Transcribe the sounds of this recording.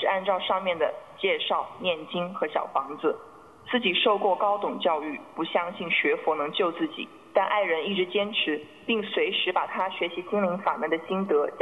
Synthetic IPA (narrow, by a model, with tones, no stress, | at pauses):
ɻ̩˥˩a˥˧nʈ͡ʂɑ˥˧ʊʂɑ˥˧ŋmjɛ˥˩nd̪ə˩t͡ɕjɛ˥˧ʂɑ˥˧ʊnjɛ˥˩nt͡ɕi˥ŋxɤ˧˥ɕjɑ̰˨˩ʊfɑ˧˥ŋd͡zɹ̩˧ | t͡sɹ̩˥˩t͡ɕi˨˩ʂo˥˧ʊkwɔ˥˩kɑ˥ʊt̪ʊ˨˩ŋt͡ɕjɑ˥˧ʊy˥˩pu˧˥ɕjɑ˥ŋɕi˥˩nɕɥɛ˧˥fwɔ˧˥nɤ˧˥ŋt͡ɕjo˥˧ʊt͡sɹ̩˥˩t͡ɕḭ˨˩˦ | t̪a˥˧nʔa˥˩ɪɻə˧˥ni˥˩ʈ͡ʂɻ̩˧˥t͡ɕjɛ˥nʈ͡ʂʰɻ̩˧˥ | pi˥˩ŋswe˧˥ɪʂɻ̩˧˥pa˨˩t̪ʰa˥ɕɥɛ˧˥ɕi˧˥t͡ɕi˥ŋli˧˥ŋfa̰˨˩nə˧˥d̪ə˧ɕi˥nt̪ɤ˧˥